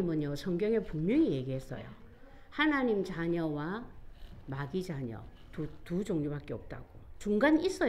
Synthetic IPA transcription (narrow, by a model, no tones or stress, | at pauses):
imɯɲjosʰʌŋɡjʌŋe̞puŋmʌŋije̞ɡiɦe̞s͈ʌ̰jo̰ | hanaɲimt͡ɕaɲʌwa | maɡid͡ʑaɲʌ̰ | tutud͡ʑoŋɲobak͈e̞ʌp̚t͈a̰ɡ̥ot͡ɕuŋɡanis͈ʌ